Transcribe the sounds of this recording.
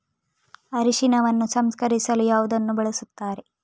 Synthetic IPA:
ɐɾiʃinɐʋɐnːusɐmskɐɾisɐlujaːʋud̪ɐnːubɐɭɐsut̪ːaːɾe̞

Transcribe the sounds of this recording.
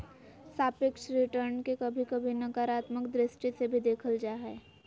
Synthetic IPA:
saːpɪkʃɾɪʈəɾnkekɐbʱikɐbʱinɐkaːɾaːt̪məkd̪ɾɪsʈisebʱid̪eːkʰəld͡ʒaːɦɛː

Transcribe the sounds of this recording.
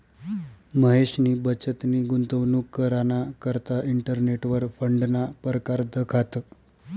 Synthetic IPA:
məɦeɕniːbət͡ɕət̪niːɡunt̪əʋnukːəɾanakəɾt̪aiɳʈəɾneʈʋəɾfəɳɖnapəɾəkaɾd̪əkʰat̪ə

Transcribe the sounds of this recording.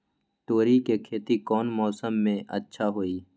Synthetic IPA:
t̪oːɾikekʰeːt̪ikɔːnmɔːsəmːẽʔə̰tːʃʰaɦoːiː

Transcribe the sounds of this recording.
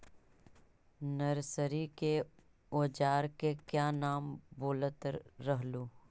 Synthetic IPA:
nəɾsəɾike | oːd͡ʒaːɾkekjaːnaːmboːlət̪ɾəɦluː

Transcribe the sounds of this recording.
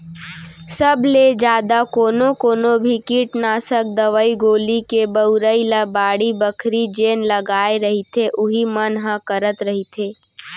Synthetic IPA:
səbʱled͡ʒjaːd̪akoːnokoːnobʱikiʈnaːsək̚d̪əʋəiɡoːlikebəʊɾəilabaːɽibəkʰɾid͡ʒeːnləɡaːeɾəɦit̪ʰeʔʊɦimənɦãkəɾət̪ɾəɦit̪ʰeː

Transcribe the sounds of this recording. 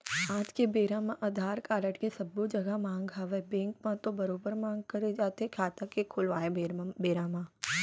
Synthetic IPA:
aːd͡ʒkebeːɾãːmãʔɐd̪ʱaːɾkaːɾəʈkesɐbːod͡ʒɐɡamãːŋɡɦaʋebẽːŋkmãt̪obɐɾoːbəɾmãːŋɡkɐɾed͡ʒaːt̪eɦekʰaːt̪akekʰʊlʋaːebeːɾaːmãː

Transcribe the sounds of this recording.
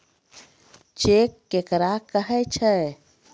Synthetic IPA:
t͡ʃekːekɾakəɦɛt͡ʃʰɛ

